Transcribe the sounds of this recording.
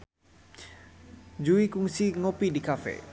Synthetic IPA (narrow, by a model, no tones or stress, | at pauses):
d͡ʒuikuŋsiŋopidikafḛ